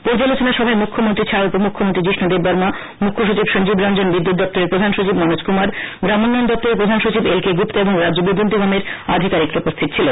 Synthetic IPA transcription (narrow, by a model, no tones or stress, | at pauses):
poɾd͡ʑalot͡ɕonaʃɔbʱaemukʰːomont̪ɾit͡ɕʰaopomukʰːomont̪ɾid͡ʑiʃnod̪ebbɔɾma | mukʰːoʃut͡ɕibʃond͡ʑibɾɔnd͡ʑonbid̪ːut̪̚d̪ɔp̚t̪oɾeɾpɾod̪ʱanʃot͡ɕibmɔnod͡ʑkumaɾɡɾamonːajond̪ɔp̚t̪oɾepɾod̪ʱanʃot͡ɕibelkeɡupt̪eeboŋɾadd͡ʑobid̪ːont̪iɡameɾa̰d̪ʱikaɾikɾopost̪ʰit̪̚t͡ɕʰilon